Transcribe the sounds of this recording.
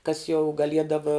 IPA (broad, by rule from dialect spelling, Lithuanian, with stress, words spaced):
kɐs jɛʊ ɡɐˈlʲiɛdɐʋɐ